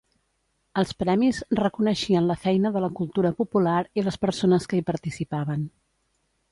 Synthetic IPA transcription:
əlˠspɾɛmizrəkunəʃiənləfɛjnəðələkulˠt̪uɾəpupulaɾiləspəɾsonəskəipəɾt̪isipaβən

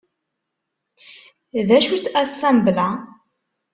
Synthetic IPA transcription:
ðæʃut͡sːæsːæmblæ

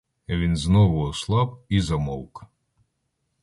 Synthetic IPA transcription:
ʋʲinznɔʋʊɔslˠɑp̚izɐmɔwk

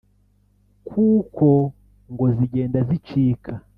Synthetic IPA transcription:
kʰukʰo | ŋɡoziɟeːndazit͡ʃiːkʰa

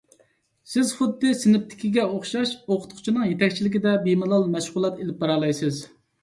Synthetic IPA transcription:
sɪz̥χʊd̪ːɨsɪnɪp̚t̪ʰɪ̥kʲiɡʲɛoχʃɑʃoqʰʊ̥t̪qʰʊ̥t͡ʃʰinɨŋjet̪ʰɛkʲt͡ʃʰilɪkʲid̪ɛbimɨlˠɑlˠmɛʃʁʊlˠɑt̪elɪp̚bɑɾɑlˠɑjsɨz

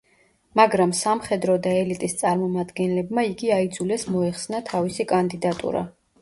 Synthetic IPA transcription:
maɡɾamsamχɛd̪ɾɔd̪aɛlit̪ʼist̪sʼaɾmɔmad̪ɡɛnlɛbmaiɡiaid̪zulɛsmɔɛχsnat̪ʰavisikʼand̪id̪at̪ʼṵɾa̰

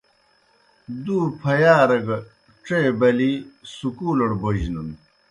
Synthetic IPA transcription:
d̪uːpʰɐjaːɾɐɡɐ | ʈ͡ʂeːbɐlisukuːlɐɽbɐʑnun

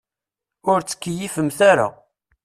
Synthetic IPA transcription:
ʊɾt͡sːə̥kːəjifəmθaɾa̰

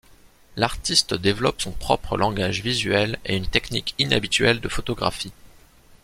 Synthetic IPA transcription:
laʁt̪ist̪d̪evlɔpsɔ̃pχɔpχəlʔɑ̃ɡaʒvizɥɛleynt̪eknikina̰bit̪ɥɛld̪əfot̪ɔɡʁa̰fi

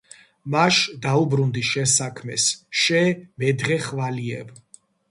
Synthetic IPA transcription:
maʃd̪aubɾund̪iʃɛnsakʰmɛsʃɛmɛd̪ʁɛχvaliɛ̰b

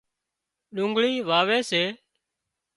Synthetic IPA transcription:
ɗʊ̃ːŋɡɭiːʋaːʋeːseː

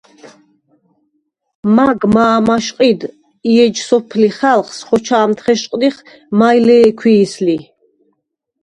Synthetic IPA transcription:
maɡmaːmaʃqʼid̪ | iɛd͡ʒsɔpʰliχalˠχsχɔt͡ʃʰaːmt̪ʰχɛʃqʼniχ | majlɛːkʰwiːsli

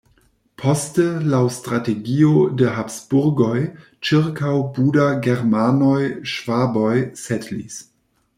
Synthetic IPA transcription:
pʰo̞stəlawstɾateɡiodeɦapsbuɾɡoj | t͡ʃiɾkawbudaɡeɾmanojʃv̥abojsetlḭs

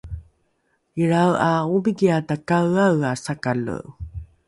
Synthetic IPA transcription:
iɾawaubiɡiatakawawasakalṵʔ

